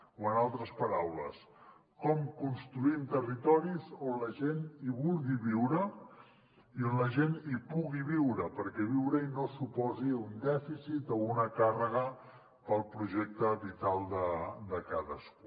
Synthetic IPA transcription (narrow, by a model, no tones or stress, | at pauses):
oənalˠt̪ɾəspəɾawləs | kɔmkunst̪ɾuimt̪ərit̪ɔɾizonləʒeniβulˠɣiβiwɾə | ionləʒenipuɣiβiwɾəpəɾkɛβ̞iwɾəinosupɔziund̪ɛfisit̪ounəkarəɣ̞ə | pəlˠpɾuʒɛk̚t̪əβit̪alˠd̪əd̪əkaðəsku